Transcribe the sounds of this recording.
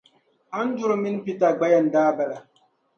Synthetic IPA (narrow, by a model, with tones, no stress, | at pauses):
a˦n˦d͡ʒu˨ɾmi˦n˦pi˦ta˨ɡ͡ba˦ja˦ndaː˦ba˨ɗa˨